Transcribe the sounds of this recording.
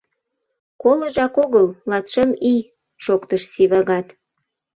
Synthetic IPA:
koləʒɑkoɣəllɑt̪ʃəmi | ʃokt̪əʃsiβɑɣɑt̪

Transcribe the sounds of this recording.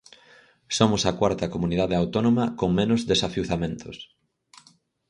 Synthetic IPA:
somʊsɐkwaɾt̪ɐkomunið̞aðeawt̪onomɐkoŋmẽnʊzðesafiuθamẽnt̪ʊs

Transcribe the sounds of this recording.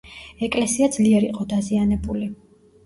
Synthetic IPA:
ɛkʼlɛsiad̪zliɛɾḭqʼɔd̪azianɛbuli

